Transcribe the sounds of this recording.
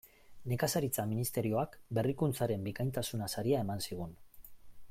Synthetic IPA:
ne̞kasaɾit͡saminist̪e̞ɾio̞akbe̞rikunt͡saɾe̞mbikajnt̪asunasaɾiae̞mansiɣ̞un

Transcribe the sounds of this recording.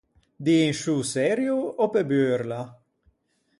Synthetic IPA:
d̪iːnʃusɛɾjuɔpebøɾla

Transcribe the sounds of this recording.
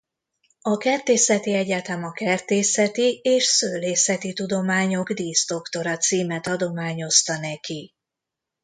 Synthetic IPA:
ɒkɛrt̪eːsɛt̪iɛɟɛt̪ɛmɒkɛrt̪eːsɛt̪ieːʃsøːleːsɛt̪it̪ud̪o̞maːɲo̞ɡd̪iːst̪o̞kt̪o̞ɾɒt̪siːmɛt̪ɒd̪o̞maːɲo̞st̪ɒnɛki

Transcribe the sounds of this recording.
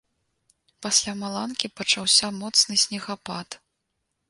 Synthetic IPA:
pasʲlʲamalˠankʲipɐt͡ʂawsʲamɔt̪snɨsʲnʲɛɣapat̪

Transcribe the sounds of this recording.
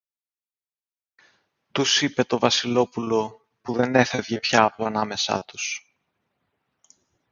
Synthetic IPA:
t̪usipe̞t̪o̞vɐsilo̞pulo̞ | puðe̞ne̞fe̞vʝepçɐːplɐnɐme̞sɐ̰t̪u̥s

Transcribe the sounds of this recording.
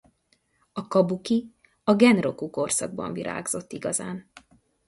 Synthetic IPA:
ɒkɒbuki | ɒɡɛnro̞kuko̞rsɒ̰ɡ̚bɒ̰ɱviɾʔa̰ːɡz̥o̞t̪ːiɡɒzaːn

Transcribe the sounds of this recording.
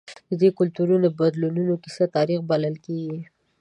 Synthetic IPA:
d̪əd̪ekʊlt̪uɾunabad̪lununokisat̪ɑɾixbalalkeɡi

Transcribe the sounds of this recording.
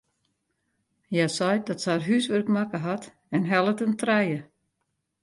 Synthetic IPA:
jasɔjdɔtsaːrɦysʋørkmakəɦat | ɛnɦɛlˠətəntrɛjə

